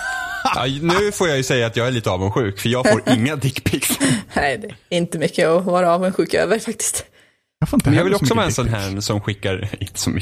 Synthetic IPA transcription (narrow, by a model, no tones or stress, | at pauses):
ʔa̰nʉ̟ːfoːɾjajɵsɛjːaːt̪jɑːɡæɭiːt̪əɑːvənɧʉ̟ːkfœɾjɑːɡoːɾʔɪŋːad̪ɪkːpʰɪksnɛɪd̪ɛɪnt̪əmʏkːəɔvɑːɾaɑːvənɧʉ̟ːkø̰ːvəɾfak̚t̪ɪ̥st̪ | fnɛnjɑɡvɪljɔksɔvɑːɛnsɔnɦæːɳsɔmɧɪkːaɾɪ̰nt̪ə̥sɔm